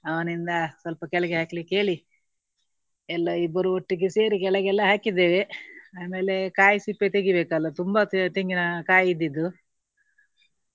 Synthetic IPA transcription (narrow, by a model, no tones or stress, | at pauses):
ɐʋɐnind̪ɐsɐlpɐkɛɭɛɡeɦaːklikːe̞ːɭi | ɛlːɐibːɐɾuoʈːiɡeseːɾikɛɭɛɡɛlːɐɦaːkid̪eːʋeaːme̞ːle̞kaːjsipːet̪eɡibeːkɐlːɐt̪umbat̪eŋɡinɐkaːjid̪ːid̪ːu